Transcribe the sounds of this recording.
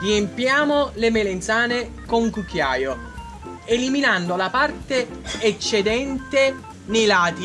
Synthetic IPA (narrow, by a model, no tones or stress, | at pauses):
riempjaːmolemelent̪saːne | koŋkukːjaːjo | eliminand̪olapart̪eet͡ʃːed̪ɛnt̪e | nejlaːt̪i